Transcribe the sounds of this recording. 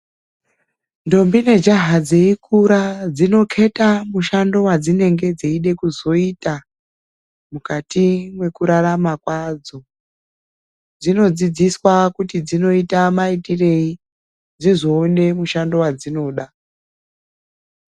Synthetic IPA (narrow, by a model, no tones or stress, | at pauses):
ndo̞mbine̞d͡ʒaɦad͡ze̞ikʰuɾad͡zino̞kʰe̞tamuʃando̞wad͡zine̞ŋɡe̞d͡zeiɗe̞kuzo̞ita | mukatimwe̞kuɾaɾamakwad͡zo̞ | d͡zino̞d͡zid͡ziswakutid͡zino̞itamaitire̞i | d͡zizo̞ːne̞muʃando̞wad͡zino̞ːɗa